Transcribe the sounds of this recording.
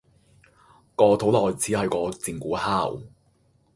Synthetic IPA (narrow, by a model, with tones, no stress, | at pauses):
kɔː˧t̪ʰo˨˥wlɔː˨jt͡sʰiː˨˥hɐ˨jkɔː˧t͡siː˨˩ŋkuː˨˥haː˥˩w